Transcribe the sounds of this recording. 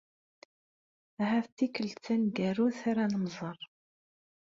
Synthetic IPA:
hæθt̪ːikːəlt͡sːænɡæruθaɾanəmzˤərˤ

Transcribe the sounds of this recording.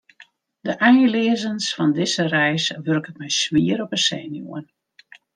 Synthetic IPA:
dəʔɛjlɪəzənsfɔndɪzərɛjsʋørkətmɛjsʋiəɾɔpəsɛːnjo̰ən

